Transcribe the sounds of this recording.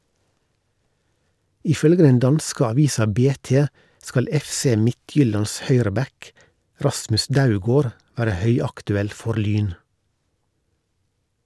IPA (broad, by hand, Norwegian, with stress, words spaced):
ɪˈfœlɡə ˈdɛn ˈdɑnskə ɑˈʋiːsɑ ˈbeːˌteː ˈskɑl ˈɛfˌseː ˈmɪˌtjʏlɑns ˈhœʏɾəˌbɛk ˈɾɑsmʉs ˈdaʊˌɡoːɾ ˈʋæːɾə ˈhœʏɑktʉˌɛl ˈfɔɾ ˈlyːn